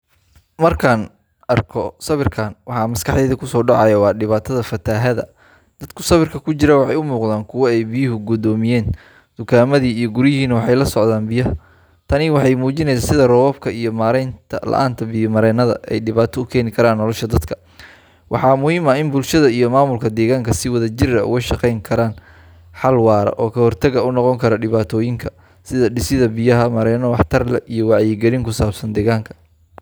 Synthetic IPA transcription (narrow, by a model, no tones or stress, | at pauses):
mɐrkʰaːn | ɐrkʰɔsɐβɪrkʰaːnwɑħɑmɐskʰɑħd̪ɛːðɐkʰʊsɔːɖɑʕɑjɐwɑːɖɪβaːt̪ʰɐðɐfɐt̪ʰaːɦɐðɐ̰ | d̪̥ɐd̪kʰʊsɐβɪrkʰɐkʰʊt͡ʃɪɾɐwɑħɑjʊmuːqðaːnkʰʊwɐɛjbɪjʊɦʊɡʊd̪ɔːmɪjɛːn | d̪̥ʊkʰaːmɐðiːijɞɡʊɾɦiːnɐwɑħɑjlɐsɔʕðaːnbɪjɐh | t̪ʰɐnɪwɑħɑjmuːt͡ʃɪnɛjsaːnsɪðɐrɔːβɔːb̚kʰɐijɞmaːɾɛjnt̪ʰɐlɐ̰ʔa̰ːnt̪ʰɐbɪjɐmɐɾɛːnɐðɐ̰ʔɛ̰jɖɪβaːt̪ʰɔʊkʰɛːnɪkʰɐɾaːnːɔlɔʃɐd̪ɐd̪kʰɐ | wʔɑ̰ħɑːmʊhiːmɐɪnbʊlʃɐðɐijɔmaːmʊlkʰɐd̪ɛːɣaːŋkʰɐsɪwɐðɐt͡ʃɪrɐʔʊ̰ɣɐʃɑqɛjŋkʰɐɾaːn | ħɑlwɑːɾɐ̰ʔɔːkʰɐhɔrt̪ʰɐɣɐʊnɔqɔŋkʰɐɾɐɖɪβaːt̪ʰɔːjɪŋkʰɐ | sɪðɐɖɪsɪðɐbɪjɐɦɐmɐɾɛːnɔwɑħt̪ʰɐrlɛʔijɔwɑʕjɪɡɛlɪŋkʰʊsaːbsɐnd̪ɛːɣaːŋkʰɐ̥